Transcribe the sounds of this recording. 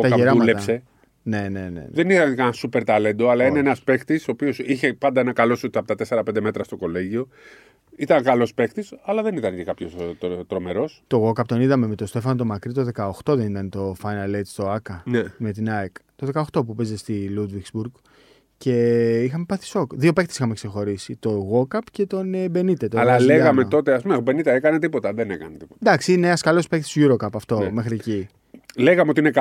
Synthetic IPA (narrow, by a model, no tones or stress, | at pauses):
ot̪ɐʝɐeɾɐulet̪ɐse̞ | ne̞ne̞nḛn̰ðenit̪ɐnkɐnɐsupe̞ɾt̪ɐle̞nd̪oɐlɐineenɐspekt̪isoːpio̞siçe̞pɐnd̪ɐenɐkɐlo̞sot̪ɐpot̪ɐt̪ese̞ɾɐpend̪e̞me̞t̪ɾɐst̪o̞ko̞le̞ʝio̞ | it̪ɐŋkɐlo̞spe̞kt̪isɐlɐðe̞nit̪ɐncekɐpçost̪ɾo̞me̞ɾo̞st̪o̞ɣo̞kɐpt̪o̞niðɐme̞met̪o̞st̪e̞fɐnot̪̬o̞mɐkɾit̪o̞ðe̞kɐoxt̪o̞ðenit̪ɐnt̪o̞fɐjnɐlet̪st̪o̞ɐkɐneme̞t̪inɐekt̪o̞ðe̞kɐoxt̪o̞pupezest̪ilud̪vikzbuɾɣ | ce̞ixɐmepɐθi̥so̞kðio̞pe̞kt̪e̥sixɐme̞kse̞xo̞ɾisit̪o̞ɣo̞kɐpce̞t̪o̞nebe̞nit̪et̪oɐlɐleɣɐmet̪o̞t̪eɐspumebenit̪eekɐnet̪̬ipo̞t̪ɐðenekɐ̰net̪i̥po̥td̪ɐksiineɐskɐlo̞spe̞kt̪i̥sʝuɾo̞kɐpɐft̪o̞me̞xɾie̞ci | leɣɐmeot̪iinek